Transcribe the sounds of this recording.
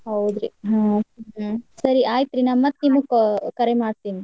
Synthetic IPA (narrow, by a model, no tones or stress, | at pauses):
ɦɐwd̪ɾiɦãɦsɐɾiʔaːjit̪ɾinamːɐt̪ːniːmuɡkkɐɾemaːɖt̪iːni